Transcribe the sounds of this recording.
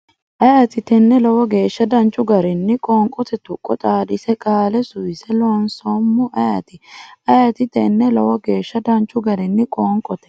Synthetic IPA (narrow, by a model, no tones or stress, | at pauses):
ʔɐjɐt̪ɪt̪ɛnːɛlɔwɔɡe̞ːʃːɐd̪ɐnt͡ʃʼːʊɡɐɾɪnːɪkʼɔːŋkʼɔt̪ɛt̪ʊkʼːɔt̪ʼaːdɪsɛkʼaːlɛsʊjɪsɛlɔnsomːʊʔɐjɐt̪ɪʔɐjɐt̪ɪt̪ɛnːɛlɔ̰wɔɡe̞ːʃːɐd̪ɐnt͡ʃʼːʊɡɐɾɪnːɪkʼɔːŋkʼɔt̪ɛ̥